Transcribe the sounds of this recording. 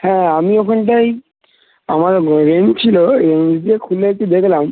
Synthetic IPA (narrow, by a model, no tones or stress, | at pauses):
hɛ̃amiɔkʰɔnʈaj | amaɹɹent͡ɕʰilɔɹendiɛkʰuletud̪ekʰlam